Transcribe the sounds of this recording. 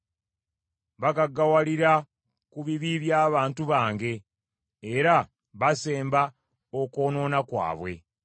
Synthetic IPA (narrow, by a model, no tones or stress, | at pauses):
βakaɡawaliɾa | kuβiβiβjaːβaːntuβaːŋɡe̞ː | ɾa | βase̞ːmba | oko̞ːno̞ːnakwa̰ːβwe̞̰